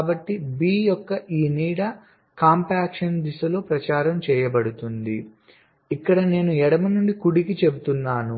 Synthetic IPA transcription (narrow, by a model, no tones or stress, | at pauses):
bɐʈːibiːjɔkːɐʔiːniːɽɐ | kaːmpaːkʂɐnd̪isɐlo̞ːpɾɐt͡ʃaːɾɐmt͡ʃɛːjɐbɐɽut̪und̪i | ikːɐɽɐne̞ːnuɛɽɐmɐnuɳɖikuɽikit͡ʃe̞but̪unːaːnu